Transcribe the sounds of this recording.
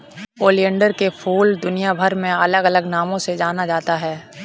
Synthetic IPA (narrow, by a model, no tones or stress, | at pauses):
oːlijə̃ɳɖəɾkepʰuːld̪ʊnijabʱəɾmẽɐləɡələɡnaːmõsed͡ʒaːnad͡ʒaːt̪aɦɛː